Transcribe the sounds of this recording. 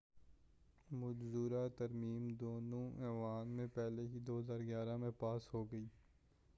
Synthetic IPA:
mʊd͡ʒzuːɾat̪ɐɾmiːmd̪oːnõʔɛːʋaːnmẽpɛɦleɦid̪oːɦzaːɾɡjaːɾamẽpaːsɦoːɡɐiː

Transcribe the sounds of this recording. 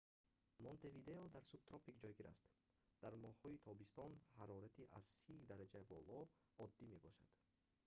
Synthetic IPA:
mont̪evid̪eɔd̪aɾsub̚t̪ɾɔpikd͡ʒɔjɡiɾʔa̰st̪ | d̪̥aɾmɔhhɔit̪ʰɔbist̪ɔnhaɾɔɾat̪ʰiʔa̰z̥sid̪aɾad͡ʒabɔ̰lɔ | ɔd̪ːime̞bɔʃa̰d̪̥

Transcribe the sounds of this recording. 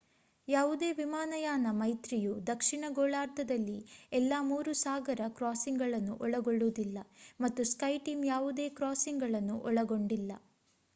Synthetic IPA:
jaːʋud̪e̞ːʋimaːnɐjaːnɐmɐjt̪ɾijud̪ɐkʂiɳɐɡoːɭaːɾt̪ʰɐd̪ɐlːiɛlːaːmuːɾusaːɡɐɾɐkɾaːsiŋɡɐɭɐnːuʔɔɭɐɡoɭːuːd̪ilːɐmɐt̪ːuskɐjʈiːmjaːʋud̪e̞ːkɾaːsiŋɡɐɭɐnːuʔɔɭɐɡo̞ɳɖilːɐ

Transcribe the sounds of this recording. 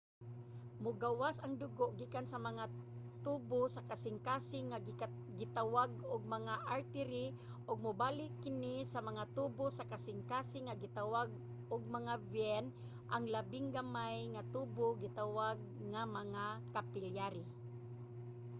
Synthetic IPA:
mʊɡawasaŋd̪ʊɡoʔɡiːkansɐmaŋat̪uːbosakasɪŋkaːsɪŋːa | ɡɪt̪awaɡʊɡ̚mɐŋaʔaɾt̪ɪɾɪ | ʔʊɡ̚mʊbaːlɪkːɪnisɐmɐŋat̪ubʊsakasɪŋkaːsɪŋːaɡɪt̪awaɡ̚ | ʊɡ̚mɐŋabjɛn | ʔaŋlabɪŋɡamajŋat̪uːboɡɪt̪awaɡ̚ŋamɐŋakapɪljaɾɪ

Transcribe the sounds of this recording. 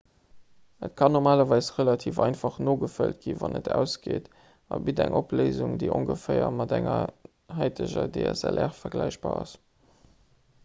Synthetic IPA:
ətkʰɑnoʁmaːlɐvɑɪsʁəlɑtʰiːfɑɪnfɑχnoːɡəfəlt̚ɡ̥ivɑnətʰæʊsɡ̥eːt | ɑbidæŋʔopleɪzuŋdəɪʔoŋɡəfəɪɐmɑdæŋɐ | hɑɪtʰəʑɐdeːɛsælʔɛʁfɐɡlæɪɕb̥aːɑs

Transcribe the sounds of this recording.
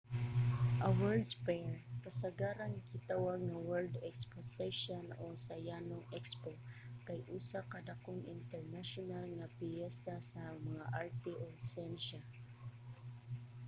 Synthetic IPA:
ʔɐwɛɹd̪pɛɹkɐsɐɡaːɾɐnkɪt̪awaŋɐwɛld̪ɛksposɛʃonosɐjanoŋʔɛkspo | kɐjʔuːsakɐd̪ɐkoŋʔɪ̰nt̪ɛɹnaʃonalŋɐpɪjɛst̪asɐmɐŋaʔaɹt̪ɛʔosɛnʃa

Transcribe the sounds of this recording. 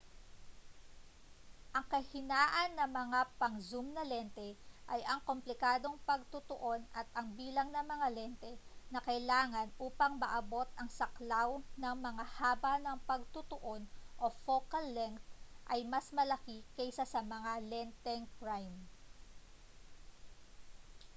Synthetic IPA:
ʔɐŋkɐhɪnaːʔɐnːɐmɐŋapɐŋzumnɐlɛnt̪ɛʔɐjʔɐŋkomplɪkaːd̪o̞ŋpɐɡ̚t̪ut̪oʔo̞nɐt̪̚ʔɐŋbiːlɐŋnɐmɐŋalɛnt̪ɛnɐkɐjlaːŋɐnʔuːpɐŋmɐʔɐbo̞t̪̚ɐŋsɐklawnɐŋmɐŋahaːbɐnɐŋpɐɡ̚t̪ʊt̪oʔo̞nʔo̞fokɐlːɛŋkt̪ʔɐjmɐsmɐlɐkikɛjsasɐmɐŋalɛnt̪ɛŋpɹajm

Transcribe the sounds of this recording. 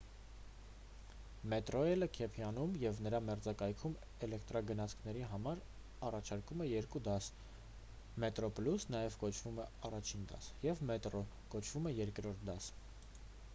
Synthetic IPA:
mɛt̪ɾɔɛləkʰɛpʰjɑnumjɛvnəɾɑmɛɾd͡zɑkɑjkʰum | ɛlɛkt̪ɾɑɡənɑt͡sʰkʰn̪ɛɾiɦɑmɑɾ | ɑrɑt͡ʃʰɑɾkumɛjɛɾkud̪ɑs | mɛt̪ɾɔplusnɑjɛvkɔt͡ʃʰvumɛɑrɑt͡ʃʰind̪ɑ̰sjɛvmɛt̪ɾɔ | kɔt͡ʃʰv̥umɛjɛɾkɾɔɾt̪̚ʰd̪ɑs

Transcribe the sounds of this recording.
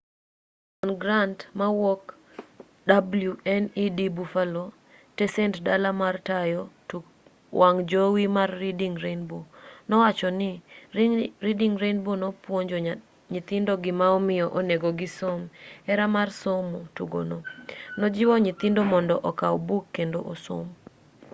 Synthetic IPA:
ɔnɡɾantmawɔk | dabluɛnidibufalo | tɛsɛntdalamartajɔ | waŋd͡ʒowimarːidiŋɾenbonɔwat͡ʃɔnɪ | ɾidiŋɾenbonɔpwoɲd͡ʒoɲ | ɲit̪ɪndɔɡɪmaɔmɪjɔʔoneɡɔɡɪsomɛɾamarsomotuɡo̰nonɔd͡ʒɪwɔɲit̪ɪndomɔndɔʔɔkawbukːendoʔoso̰m

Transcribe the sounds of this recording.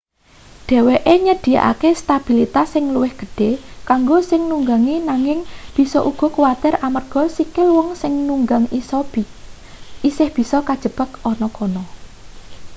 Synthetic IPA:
ɖ̪̥ɛ̤weʔeɲəd̪̥i̤ja̰ʔa̰kest̪ab̥ilit̪asɪŋluwɪhɡ̥ə̤ɖ̥e̤kaŋɡosɪŋnuŋɡaŋinaŋɪŋb̥i̤sɔʔuɡ̥ɔ̤kuwat̪ɪramərɡ̥ɔ̤sikɪlwɔŋsɪŋnuŋɡaŋisɔ | isɪhb̥i̤sɔkad̥ʒ̥ə̤b̥ə̤kɔnɔkɔnɔ

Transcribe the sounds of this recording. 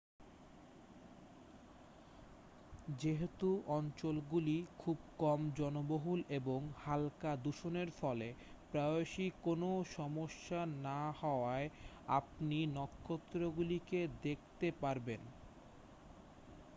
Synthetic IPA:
d͡ʑeɦet̪uʔɔnt͡ɕolɡulikʰubkɔmd͡ʑɔnoboɦuleboŋhalkad̪uʃoneɾfɔle | pɾaoʃikonoʃɔmoʃːanahɔoae | a̰p̚ninɔkʰːot̪ːɾoɡuliked̪ekʰt̪epaɾben

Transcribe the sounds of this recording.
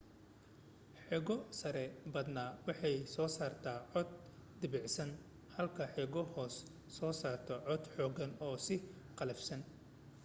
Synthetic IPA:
ħɛɣɔsɐɾɛbɐd̪naːwɑħɑjsɔːsaːrt̪ʰaːʕɔd̪̚d̪ɪbɪʕsɐn | hɐlkʰɐħɛɣɔhɔːsː | ɔːsaːrt̪ʰɔʕɔd̪ħɔːɣɐnɔːsɪ | qɑlɛfsɐn

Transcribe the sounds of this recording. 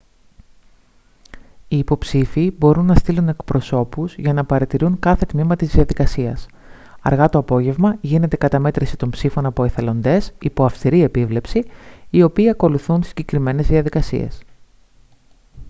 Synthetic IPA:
iːpo̞psifiːbo̞ɾunːɐst̪ilune̞kpɾo̞so̞puzʝɐnɐpɐɾɐt̪iɾuŋkɐθe̞t̪mimɐt̪izðiɐðikɐsiɐs | ɐ̰ɾɣɐt̪o̞ɐpo̞ʝe̞vmɐʝine̞t̪e̞kɐt̪ɐme̞t̪ɾisit̪o̞mpsifo̞nɐpo̞eθe̞lo̞nd̪e̞sipo̞ɐfst̪iɾie̞pivle̞psiio̞piːɐko̞luθunsiɲɟe̞kɾime̞ne̞zðiɐðikɐsḭe̞̰s

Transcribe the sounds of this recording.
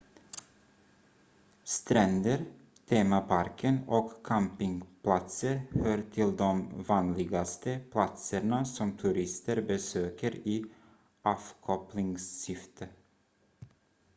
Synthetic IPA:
st̪ɾɛnd̪əɾ | t̪ʰeːmapʰaɾkʰənɔkʰːampɪŋpʰlat̪səɾhøːɾʈʰɪld̪ɔmvɑːnlɪɡast̪əpʰlat̪səɳasɔmt̪ʰʉɾɪst̪əɾbəsøːkəɾiː | ʔɑːfkʰɔplɪŋsːʏft̪ʰə

